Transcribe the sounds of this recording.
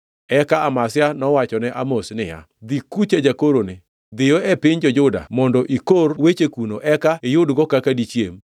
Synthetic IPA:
ɛkaamasɪanɔwat͡ʃɔnɛʔamosnɪja̰ | d̪ikut͡ʃed͡ʒakoɾonɪ | d̪ɪjoɛpɪɲd͡ʒɔd͡ʒʊda̰mɔndɔʔikorwet͡ʃekunoʔɛkaejʊdɡɔkakadit͡ʃjḛm

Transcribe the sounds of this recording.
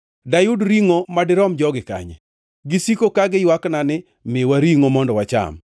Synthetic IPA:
dajʊdɾiŋomadɪɾɔmd͡ʒɔɡɪka̰ɲɛ̰ | ɡisikokaɡɪjwaknanɪ | mɪwaɾiŋomɔndɔwat͡ʃa̰m

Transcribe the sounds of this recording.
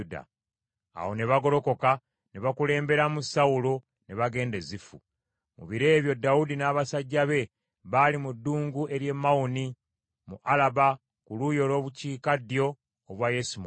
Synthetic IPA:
da̰ | a̰wo̞ne̞βaɡo̞ɾo̞ko̞ka | neβakule̞ːmbe̞ɾamusaulo̞ | ne̞βaɡe̞ːnde̞zifṵ | mṵβiɾe̞ːβjo̞dːaudinaːβasaɟːaβe̞ | βalimudːuːŋɡue̞ɾje̞mːawuni | muʔalaβa | kulujo̞lo̞ːβuciːkadijo̞ː | βwajesum

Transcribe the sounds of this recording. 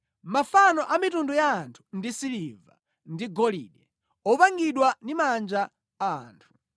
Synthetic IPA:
mafanɔʔamitundujaːntʰu̥ndisiliva | ndiɡɔlḭɗɛ | ɔpaŋɡiɗwandimand͡ʒa̰ː | ntʰu̥

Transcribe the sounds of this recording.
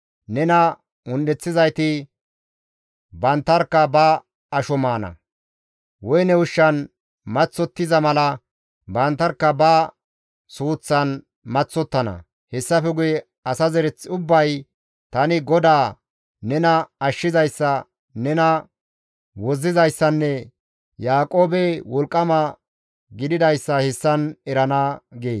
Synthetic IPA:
nɛnɐ | ʊnd̪ɛt͡sːɪzɐjt̪ɪ | bɐnt̪ːɐɾkːɐbɐ | ɐʃɔmaːnɐ̰ | wɔjnɛwʊʃːɐn | mɐt͡sːɔt̪ːɪzɐmɐlɐ | bɐnt̪ːɐɾkːɐbɐ | suːt͡sːɐn | mɐt͡sːɔt̪ːɐnɐ̰ | hɛsːɐfɛɡʊjɛ | ɐsɐzɛɾɛt͡sːʊbːɐj | t̪ɐnɪɡɔd̪aː | nɛnɐɐʃːɪzɐjsːɐ | nɛnɐ | wɔzːɪzɐjsːɐnːɛ | jaːkʼo̞ːbɛwɔlkʼːɐmɐ | ɡɪd̪ɪd̪ɐjsːɐhɛsːɐnɛɾɐnaɡeː

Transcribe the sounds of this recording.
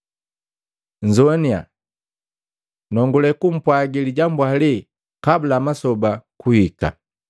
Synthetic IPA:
ɲd͡ʒɔnia̰ | nɔŋɡulɛkum̩pwaɡiliɟambwali | kabulamasɔbakuhika̰

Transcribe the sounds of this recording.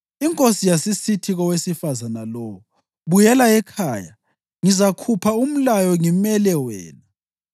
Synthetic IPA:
iŋkʼosijasisitʰiɣɔwesifazanalɔːwu | βujɛlaɛkʰaːja̰ | ŋizakʰupʰaum̩lajɔŋimɛlɛwɛ̰ːla

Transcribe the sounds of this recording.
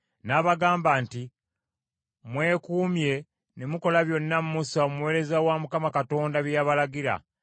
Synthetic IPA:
naβaɡaːmbaːnti | mwe̞ːkuːmje̞ | nemuko̞laβjo̞nːamumusaomuuwe̞ːɾe̞zawamukamakato̞ːndaβjaβalaɡiɾa̰

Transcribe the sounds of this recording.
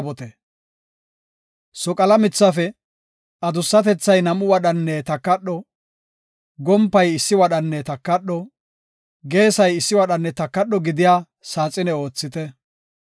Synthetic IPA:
bɔt̪ɛ | sɔkʼɐlɐmɪt͡sːɐfɛ | ɐd̪ʊsːɐt̪ɛt͡sːɐjnɐmʊwɐɗɐnːɛt̪ɐkːɐɗɔ | ɡɔmpːɐjɪsːɪwɐɗɐnːɛt̪ɐkːɐɗɔ | ɡe̞ːsɐjɪsːɪwɐɗɐnːɛt̪ɐkːɐɗːɔɡɪd̪ɪjaː | saːt͡sʼːɪnɛo̞ːt͡sːɪt̪ɛ

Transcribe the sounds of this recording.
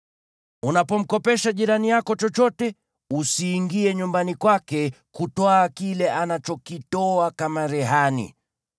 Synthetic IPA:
unapɔm̩kɔpɛʃaʄiɾanijakɔt͡ʃɔt͡ʃɔtɛ | usiːŋɡiɛɲumbanikwakɛ | kutwaːkilɛʔanat͡ʃɔkitɔakamaɾɛɦanḭ

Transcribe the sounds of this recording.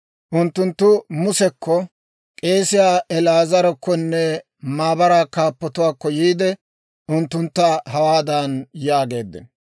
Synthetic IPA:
ʔʊnt̪ːʊnt̪ːʊmʊsɛkʰːɔ | kʼe̞ːsɪjaːʔɛlaːzɐɾɔkːɔnːɛ | maːbɐɾaːkaːpːɐt̪ʊwaːkːɔjiːd̪ɛ | ʔʊnt̪ːʊnt̪ːaɦɐwaːd̪anjaːɡe̞ːd̪ːɪ̰n

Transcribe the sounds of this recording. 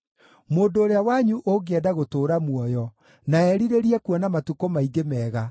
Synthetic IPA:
moːndoːɾeawaɲuʔoɡeɛdaɣotoːɾamwɔjɔ | naɛɾiɾeɾiɛkuɔnamatukomaiɡemɛːɣa

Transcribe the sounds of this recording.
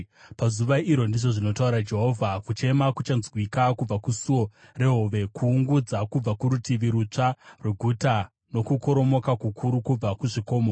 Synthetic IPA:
pazuʋaʔiɾo̞ndiʐo̞ʐino̞tauɾad͡ʒe̞ɦo̞vʱakut͡ʃe̞makut͡ʃanzwikakub͡vakusuo̞re̞ɦoʋe̞kuːŋɡud͡zakub͡vakuɾutiʋiɾut͡ʂarweɡʱuta | no̞kuko̞ɾo̞mo̞kakukʰuɾukub͡vakuʐiko̞ːmo

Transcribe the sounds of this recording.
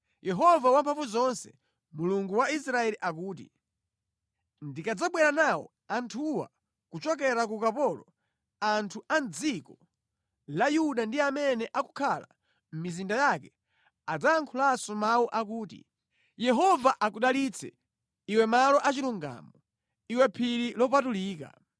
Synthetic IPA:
jɛɦɔvawam̩pʰaɱfuzɔnsɛ̰ | muluŋɡuwais̬ɾaɛliʔak̬uːtḭ | ndikad͡zaɓwɛɾanawɔ̰ | antʰuwa̰ | kut͡ʃɔk̬ɛɾakukapɔlɔ | antʰuʔand͡zikɔ | lajuɗandiamɛnɛʔaku̥kʰala̰ | m̩mizindajakɛ | ad͡zaːŋkʰulasɔmawuʔakuːtḭ | jɛɦɔvaʔakuɗalit͡sʰɛ̰ | iwɛmalɔʔat͡ʃiluŋɡa̰ːmɔ | iwɛpʰiɾilɔpatuliːka̰

